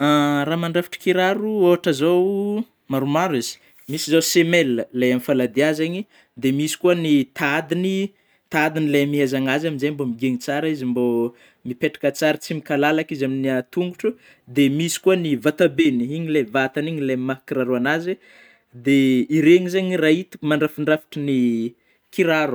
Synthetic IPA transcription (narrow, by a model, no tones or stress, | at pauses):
araːmaɳɖ͡ʐafi̥ʈ͡ʂə̥kiɾaɾuoaʈ͡ʂəzow | maɾumaɾuizi̥ | misizawsemelːəleamifalad̪iazeɲi | d̪emisi̥kuənit̪ad̪ini | t̪ad̪inilemiɦazaŋazaminzembomiɡeɲit͡saɾaizimbo | mipeʈ͡ʂḁkat͡saɾit͡simikalalakizaminiat̪uŋɡuʈ͡ʂu | d̪emisi̥kuənivat̪abeniiɲilevat̪aniɲilemakiraɾuanazi | d̪eiɾeɲizeɲirait̪i̥maɳɖ͡ʐafiɳɖ͡ʐafi̥ʈ͡ʂəni | kiɾaɾu